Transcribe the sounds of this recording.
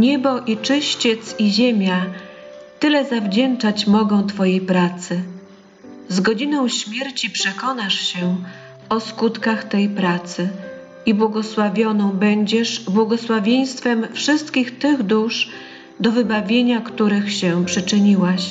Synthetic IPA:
ɲɛbɔʔit͡ʂɘɕt͡ɕet̪siʑemʲja | t̪ɘlɛzavd͡ʑɛnt͡ʂat͡ɕmɔɡɔ̃w̃t̪fɔjejpɾat̪sɘ | zɡɔd͡ʑinɔ̃w̃ɕmʲjɛɾt͡ɕipʂɛkɔnaʂɕɛ | ɔskut̪kaxt̪ɛjpɾat̪sɘ | ibwɔɡɔswavʲjɔnɔ̃w̃bɛɲd͡ʑɛʂbwɔɡɔswavʲjeɲ̃st̪fɛmfʂɘst̪kʲixt̪ɘɣd̪uʂ | d̪ɔvɘbavʲjeɲakt̪uɾɘxɕɛpʂɘt͡ʂɘɲiwaɕ

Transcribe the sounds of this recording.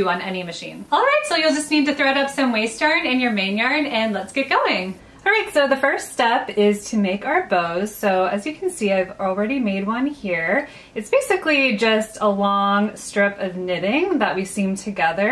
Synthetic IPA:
ɨə̃nɛnimɨʃḭ̃nɔlˠɹaɪtsoʊjɨlˠd͡ʒʌsnid̚tɨθɹɛɾʌpsʌ̃mweɪstɑɹnɨ̃njə˞mẽɪ̃njɑɹdɨ̃nlətsɡ̥ɛt̚ɡ̥oʊɪ̃ŋ | ɑɹaɪtsoʊðɨfɜ˞ststɛpɪz̥tʰɨmeɪkaʊə˞boʊz̥soʊɨzjɨkʰn̩siaɪvl̩ˠɹɛɾimeɪd̚wʌ̃nhiɹ | ɨtsb̥eɪsɨklid͡ʒʌstʰəlɔ̃ŋstɹ̥ɪpʌvnɪɾɪ̃ŋðəʔ̚wisĩmtʰɨɡɛðə˞

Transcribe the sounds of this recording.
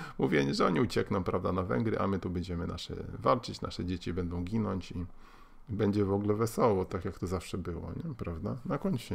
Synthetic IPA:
muvʲjɛʐɛɔɲiut͡ɕɛknɔ̃w̃pɾavd̪anavɛ̰ŋɡɾɘ̰ʔa̰mɘt̪ubɛɲd͡ʑɛmɘna̰ʂɛ̰valt͡ʂɘt͡ɕna̰ʂɛd͡ʑet͡ɕibɛnd̪ɔ̃w̃ɡʲinɔɲt͡ɕi | bɛɲd͡ʑɛvɔɡlɛvɛsɔwɔt̪akjak̚t̪ɔzafʂɛbɘwɔ̰ɲɛpɾavd̪anakɔɲɕɛ

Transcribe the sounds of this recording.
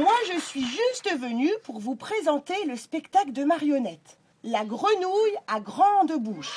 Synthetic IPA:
mwaʒəsɥiʒyst̪vənypuʁvupχezɑ̃t̪eləspɛkt̪akləd̪əmaʁjɔnɛt̪ | laɡʁənujaɡʁɑ̃d̪buʃ

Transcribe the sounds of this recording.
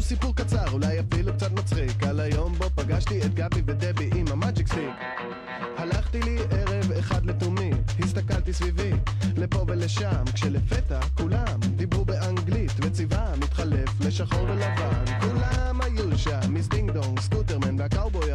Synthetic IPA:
sipuʁkat͡saʁulajafiluk̚t͡sat̪̬mat͡sχikalajo̞mbo̞paɡaʃtiet̪ɡabived̪ebiʔimamad͡ʒiksi | halaχtiliʔeʁe̞veχad̪le̞t̪umimhist̪akaltisvivile̞po̞bele̞ʃamkʃe̞le̞fetakulamd̪ibʁubeʔaŋɡlitvet͡sivamit̪χale̞fle̞ʃaχo̞ʁbelavankulamajuʃamizdiŋɡd̪oŋskuteʁmanveakawboja

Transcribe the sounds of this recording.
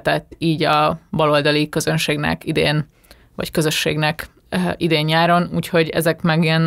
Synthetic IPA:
t̪ɛt̪ːiːɟɒbɒlo̞ld̪ɒlikø̞zø̞nʃeːɡnɛ̰kid̪ḛːn | vɒ̰ckø̞zø̞ʃːḛːɡnɛk | id̪eːɲːaːɾo̞nuːcho̞ɟɛ̰zɛkmɛɡijɛn

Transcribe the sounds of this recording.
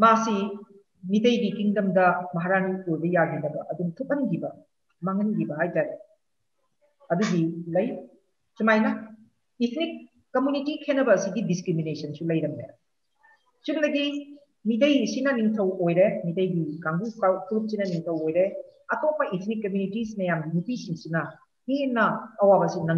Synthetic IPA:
masi | mitɐjɡikiŋdɐmdɐmɐɦaɾaniojbɐjaɡinɐbɐʔɐduŋtʰut̚ɐnɡibɐ | maŋɐnɡibɐɦajtaɾe | ɐduɡilɐj | sumajnɐ | itʰnikː | ɐmjunitikʰenɐbɐːsiɡidiskɾiminesɐnsulɐjɾɐmnḛ | sumdɐɡi | mitɐjsinɐniŋtʰɐwojɾemitɐjɡiɡaŋɡukakɾup̚sinɐniŋtʰɐwojɾeɐtopɐitʰnikːɐmjunitisinɐjamɡinupisiŋsinɐ | henːɐːwabɐsinɐ

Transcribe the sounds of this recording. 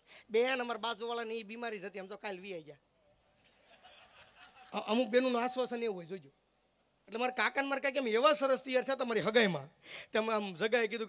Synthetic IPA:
bejãnəmaɾabad͡zoʋaɭanəibimaɾid͡ʒʱət̪iəmt̪okajlʋiajd͡ʒja | ʔəmũk̚benunũasʋasəneʋɦojd͡ʒod͡ʒu | eʈlemaɾekakanmaɾkãk̬eəmeʋasəɾəst̪iaɾt͡ʃʰat̪omaɾiɦəɡajmãt̪aməmd͡ʒəɡaek̬id̪ũ

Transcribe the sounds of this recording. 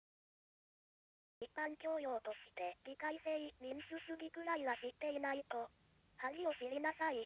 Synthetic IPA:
ipːãŋkʲo̞ːjo̞ːt̪oɕi̥t̪e̞ɾʲikaiseimʲinsɨsɨɡʲikɯ̟ɾaiβaɕit̪ːe̞inait̪o | haɾioɕiɾʲinasai

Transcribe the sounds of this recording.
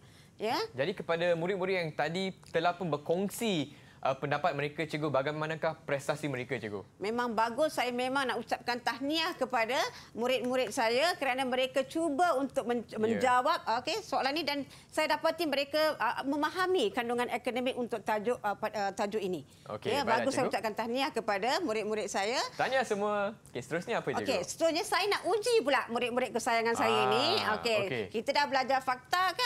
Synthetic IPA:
jad͡ʒadikəpadamuɾɪt̪̚muɾɪt̪̚jaŋt̪adit̪əlahpʊnbərkɔŋsi | ʔəpəndapat̪̚məɾekat͡ʃəɡobaɡajmanãkahpɾɛst̪asiməɾekat͡ʃəɡo̰mẽmãŋbaɡʊsːajamẽmaŋnaʔut͡ʃap̚kant̪ahniakəpadamũɾɪt̪̚muɾɪt̪̚sajakəɾanamə̃ɾekat͡ʃubaunt̪ʊk̚məmə̃ɲd͡ʒawap̚okesoalanidan | sajadapat̪iməɾekaməmaɦamikanduŋanekonəmɪk̚unt̪ʊk̚t̪ad͡ʒʊʔaət̪ad͡ʒʊʔini | o̰əbaɡusajut͡ʃaʔ̚kant̪aniakəpadamuɾɪt̪̚muɾɪt̪̚sajat̪aniasəmuəokesə̥t̪əɾʊsɲaapokesə̥t̪əɾʊsɲasajənaʔud͡ʒipulaʔmuɾɪt̪̚muɾɪt̪̚kəsajaŋansajainiokekit̪adahbəlad͡ʒarfak̚t̪aka

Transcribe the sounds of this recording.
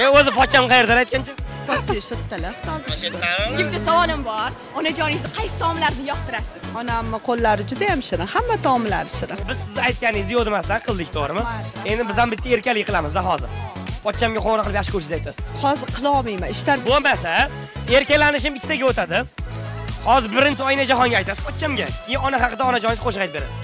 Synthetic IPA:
eozɪpʰɒt̪̚t͡ʃʰːamnqʰɑjeɾd̪anajt̪̚kʲant͡ʃʰapʰt͡ʃɪʃot̪ːalɪht̪ʰɒɾd̪ɪʃɡʲɪmd̪ɪsavɒlˠɪmbɒɾ | ɒnad͡ʒɒnɪzd̪ɪqʰɑjsɪ̥t̪ʰɒmɪlaɾnɪjɒqt̪ʰɪɾasɪz̥ɒnamːɪqʰolˠːaɾɪd͡ʒʊd̪ajamʃɪɾɪhamːat̪ʰɒmɪla̰ɾɪʃɪɾɪbɪzsɪzajt̪̚kʲanɪjzɪjɒd̪ɪmast̪anqʰɨlˠd̪ɪkʲt̪ʰoɾɪmɪe̞nd̪ɪbɪzhambɪt̪ːaeɾkʲalɪkʲqɨlˠamɪzd̪aɦɒzɪ̰ɾpɒt̪̚t͡ʃʰːamɡʲaqomnaqʰɨlˠpjaɑχʃɪ̥kʰɵɾʃɪzajt̪ʰasɪ̥z̥hɒzɪɾqʰɨlˠɒmijmaɪʃt̪aɾbʊmbasa | e̞ɾkʲalanɪʃ̬ɪmɪkʲʰːɪ̥t̪aɡʲaot̪ʰad̪ɪ | hɒzɪɾbɪɾɪnt͡ʃʰɪɒjɪnad͡ʒaɦɒŋɡʲaːjt̪asɪ̥pʰɒt̪t͡ʃʰːamɡʲakʰʲejɪɒnahɑqɨd̪aɒnad͡ʒɒnɪjɪzqʰoʃ̬ʁɑjt̪̚be̞ɾa̰sɪ̥

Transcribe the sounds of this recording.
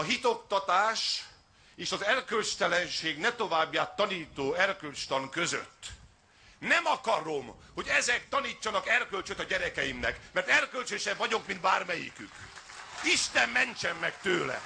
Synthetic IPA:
ɒɦit̪okt̪ɒt̪aːʃ | eːʃɒzɛrkølt͡ʃt̪ɛlɛnʃeːɡnɛt̪o̞vaːbjaːt̪ːɒniːt̪oːɛrkølt͡ʃt̪ɒŋkøzø̰t̪ː | nɛmɒkɒɾo̞mho̞ɟɛzɛk̚t̪ɒniːt͡ʃːɒnɒkɛrkølt͡ʃøt̪ɒɟɛɾɛkɛjimnɛkmɛrt̪ɛrkølt͡ʃøʃɛɱvɒɟo̞kmint̪̚baːrmɛjḭkyk | iʃt̪ɛmːɛnt͡ʃɛmːɛkt̪øːlɛ̰

